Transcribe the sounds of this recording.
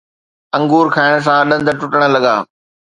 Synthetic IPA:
ɐ̃ŋɡuːɾkʰaːɪɽ̃s̬ãɗɐ̃nd̪ʱəʈʊʈəɽ̃ə̆lɐɠa̰ː

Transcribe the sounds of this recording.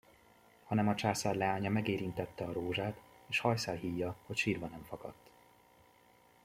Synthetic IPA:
hɒnɛmɒt͡ʃaːsaːrlɛaːɲɒmɛɡeːɾint̪ɛt̪ːɛɒɾoːʒaːt̪eːʃhɒjsaːlɦiːjːɒho̞cʃiːrvɒnɛɱfɒkɒ̰t̪ː

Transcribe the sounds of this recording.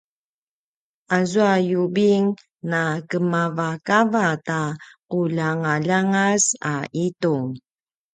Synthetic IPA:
azuajubiŋ | nakəmavakavataqulaŋaʎaŋasaʔituŋ

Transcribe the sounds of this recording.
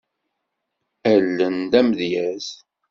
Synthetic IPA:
ælːənd̪æmðjæz

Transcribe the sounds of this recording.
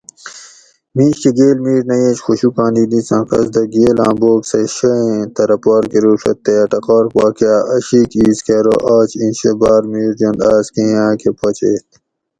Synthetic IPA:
mĩːɕkeɡeːlmiːɾnɐjeːt͡ʃxuɕukãːnd̪iːd̪ĩt͡sãːqɐ̰sd̪ɐɡeːlã̰ːboːkseʃɐẽt̪ɐɾɐpaːɾkeɾuːʂɐ̰t̪ːeʈɐqɔːɾpaːkjaːʔɐɕikiːskeɾo̰ʔaːt͡ʃĩnɕebaːɾmiːɾd͡ʒõnd̪aːskẽãːkepɐt͡ɕeːt̪

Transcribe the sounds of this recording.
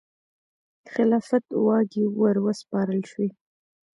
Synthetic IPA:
xɪlɑfat̪wɑɡiwəɾwəspɑɾəlʃwi

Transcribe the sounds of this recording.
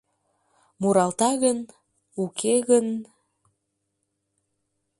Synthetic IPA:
muɾɑlt̪ɑɣən | ukʰeɣən

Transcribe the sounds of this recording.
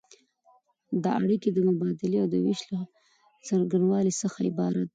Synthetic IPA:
d̪ɑaɽiked̪əmʊbɑd̪ɪleawd̪əwɪʃla | səɾɡanwɑlisəxaɪ̰bɑɾat̪̚

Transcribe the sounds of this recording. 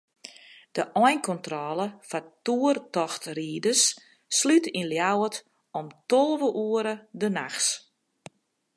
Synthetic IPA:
d̥əʔɔjnkʰɔntrɔlˠəfatuərtɔxtriːdəsː | lytinljawət | ɔmtɔlˠʋəʔuəɾədənaxs

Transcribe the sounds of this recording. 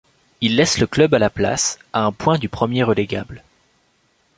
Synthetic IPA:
ilːɛsləklœbalapla̰s | aɛ̃pwɛ̃d̪ypχəmjeʁəleɡʲa̰bl

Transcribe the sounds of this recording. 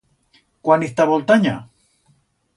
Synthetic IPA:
kwanist̪aβolt̪aɲa̰

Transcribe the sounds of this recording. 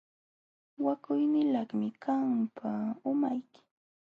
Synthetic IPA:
wakʊjnɪlɑχmɪkʰampʰaʊmajkɪ̥

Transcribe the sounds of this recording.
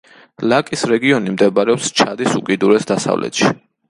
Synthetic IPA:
lakʼisɾɛɡiɔnimd̪ɛbaɾɛɔpst͡ʃʰad̪isukʼid̪uɾɛsd̪asa̰vlʔɛ̰t̪ʃi̥

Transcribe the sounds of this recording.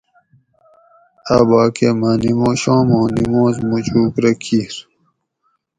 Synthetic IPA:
abaːkemaːnimõːɕõːmõːnimõːzmut͡ɕuːkɾɐkʰiɾ

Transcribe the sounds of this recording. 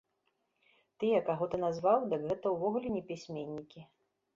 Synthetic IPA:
t̪ɨjɐkaɣɔt̪ɨnazvawd̪ɨkɣɛt̪ɐwvɔɣulʲɛnʲɛpʲisʲmʲenʲːikʲi

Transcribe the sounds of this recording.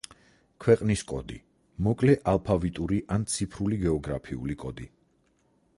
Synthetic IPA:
kʰwɛqʼniskʼɔ̰d̪i | mɔkʼlɛʔalˠpʰavit̪ʼuɾiʔant̪sʰipʰɾuliɡɛɔɡɾapʰiṵlikʼɔd̪i

